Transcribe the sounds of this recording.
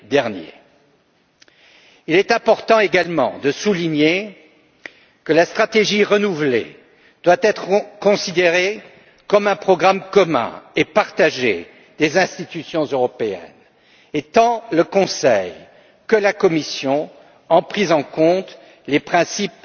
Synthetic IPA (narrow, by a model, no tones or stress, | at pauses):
d̪ɛʁnjḛ | ilɛt̪ɛ̃pɔʁt̪ɑ̃eɡalmɑ̰̃d̪əsuliɲe | kəlast̪χat̪eʒiʁənuvlḛ | d̪̥wat̪ɛt̪χəkɔ̃sid̪eʁe | kɔmɛ̃pχɔɡʁamkɔmɛ̰̃epaʁt̪aʒḛ | d̪ezɛ̃st̪it̪ysjɔ̃zøʁɔpeɛ̰n | et̪ɑ̃ləkɔ̃sɛj | kəlakɔmisjɔ̃ | ɑ̃pχizɑ̃kɔ̃t̪ | lepχɛ̃sip